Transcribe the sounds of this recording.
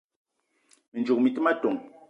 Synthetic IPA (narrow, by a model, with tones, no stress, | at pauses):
me˨nd͡ʒu˨k̚mi˨ti˦ma˦to˨ŋ